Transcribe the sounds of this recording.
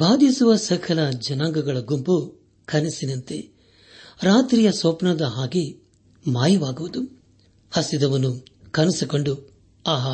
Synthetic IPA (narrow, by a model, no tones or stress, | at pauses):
bʱaːd̪isuʋɐsɐkʰɐlɐd͡ʒɐnaːŋɡɐɡɐɭɐɡumpu | kʰɐnisinɐnt̪e | ɾaːt̪ɾijɐsoːpnɐd̪ɐɦaːɡi | maːjiʋaːɡuʋud̪u | hɐsid̪ɐʋɐnːukɐnisiko̞ɳɖu | aːɦɐ